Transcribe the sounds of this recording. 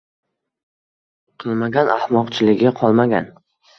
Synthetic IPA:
qʰɨlˠmaɡʲanahmɒqt͡ʃʰɪlɪɡʲɪqʰɒlˠmaɡʲa̰n

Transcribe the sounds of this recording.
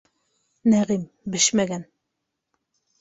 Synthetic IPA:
næʁim | bɘʃmæɡæn

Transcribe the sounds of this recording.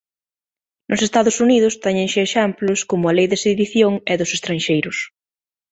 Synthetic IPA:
nʔʊsest̪aðʊsuniðʊst̪ɛɲẽnʃeeʃɛmplʊskomʊalejðesiβiθjoŋɛðʊsest̪ɾãnʃejɾʊs

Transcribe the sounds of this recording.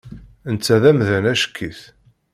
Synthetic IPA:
ənt͡sːæðæmðænæʃə̥kʰːiθ

